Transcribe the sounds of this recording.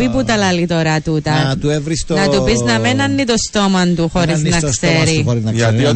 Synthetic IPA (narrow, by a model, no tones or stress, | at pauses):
piput̪ɐlɐlit̪oɾɐt̪ut̪ɐt̪uevɾist̪nɐt̪upiznɐmenɐnːit̪ost̪omɐnt̪uxoɾiznɐkseɾioɾinɐɐi